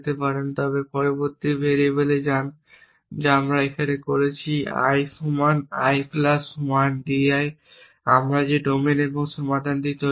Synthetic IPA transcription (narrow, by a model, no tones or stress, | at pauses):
t̪epaɾent̪ɔβepɔɾoboɾt̪ibʱeɾeboled͡ʑan | d͡ʑeamɾaekʰanekoɾet͡ɕʰia̰jsumana̰jflasumanɖiaj | amɾad͡ʑeɖomeneboŋʃɔmad̪ʱand̪it̪o